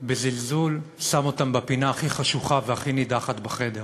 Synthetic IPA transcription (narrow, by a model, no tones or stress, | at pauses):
bezilzul | samo̞tambapinaːχiχaʃuχaveaχinidaχatbaχe̞de̞ʁ